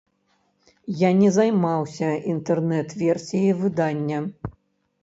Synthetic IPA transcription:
janʲɛzajmawsʲɐint̪ɛrnɛt̪vʲɛrsʲijivɨd̪anʲːɐ

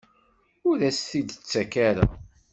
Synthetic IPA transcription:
ʊɾæsθid̪ət͡sːækaɾæ̰

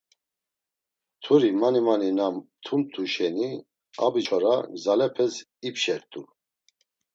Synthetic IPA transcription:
t̪ʰuɾimanimaninamt̪ʰunt̪ʰuʃɛni | a̰bit͡ʃʰɔɾazalɛpʰɛs | ipʃɛɾt̪ʼu

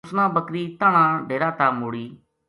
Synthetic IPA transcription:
snãːbəkɾiːt̪aːɳ̃ãːɖeːɾaːt̪aːmoːɽiː

